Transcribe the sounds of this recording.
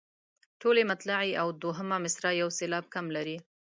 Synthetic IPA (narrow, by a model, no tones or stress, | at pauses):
ʈolemat̪laʕeʔawd̪oɦəmamɪsɾajawselɑb̚kamlaɾi